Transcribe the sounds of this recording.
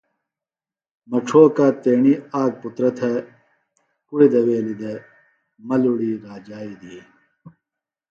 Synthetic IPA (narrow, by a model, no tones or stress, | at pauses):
mɐʈ͡ʂʰoːkaːt̪eːɳiaːɡ̚put̪ɾɐt̪ʰɐ | kuɽid̪ɐweːlid̪e | mɐluɽiːɾaːd͡ʑaːid̪ie